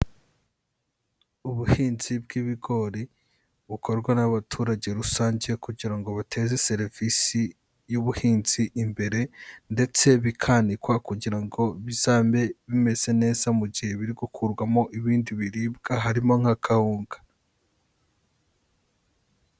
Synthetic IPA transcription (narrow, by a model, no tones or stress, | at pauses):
uβuhiːnzib̚ɡiβiɡo̞ɾi | βuko̞ɾɡwanaβatʰuːɾaɟe̞ɾusaːɲɟe̞kuɟiɾaŋɡo̞βatʰe̞ze̞se̞ɾivisi | juβuhiːnziʔːmbe̞ɾe̞nde̞t͡se̞βikʰanikwakuɟiɾaŋɡo̞βizaːmbe̞βime̞ze̞ne̞ːzamuɟihe̞βiɾiɡukʰuɾɡwamo̞ʔiβiːndiβiɾiːb̚ɡaɦaɾimo̞ŋ̥hakʰahuːŋɡḁ